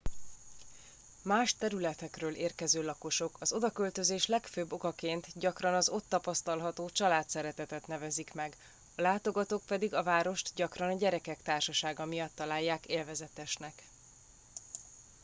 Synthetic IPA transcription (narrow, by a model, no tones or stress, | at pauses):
maːʃt̪ɛɾylɛt̪ɛkrøːlʔeːrkɛzøːlɒko̞ʃo̞kʰɒzo̞d̪ɒkølt̪ø̞zeːʃlɛkføːbːo̞kɒkeːnt̪ɟɒkrɒnɒzo̞t̪ːɒpɒst̪ɒlɦɒt̪oːt͡ʃɒlaːt̪sɛɾɛt̪ɛt̪ɛt̪nɛvɛzikmɛɡ | ɒlaːt̪o̞ɡɒt̪oːk̚pɛd̪iɡɒvaːɾo̞ʃt̪ɟɒkrɒnɒɟɛɾɛkɛkt̪aːrʃɒʃaːɡɒmijɒt̪ːɒlaːjːaːkeːlvɛzɛt̪ɛʃnɛk